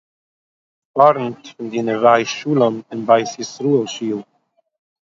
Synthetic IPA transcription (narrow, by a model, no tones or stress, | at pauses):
fɔɾntfɪndiːnəvaɪʃuːlˠənɪnbaɪsjisɾuːəlˠʃiːlˠ